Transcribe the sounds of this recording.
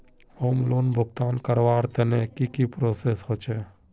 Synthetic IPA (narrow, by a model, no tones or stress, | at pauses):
hoːmloːnbʱʊɡt̪aːnkəɾʋaːɾt̪enekikipɾoːseːsɦot͡ʃʰe